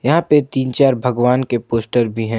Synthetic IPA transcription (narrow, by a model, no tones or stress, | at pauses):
jɐɦãpet̪iːnt͡ʃaːɾbʱɐɡʋaːnkepoːsʈəɾbʱiɦɛ̃ː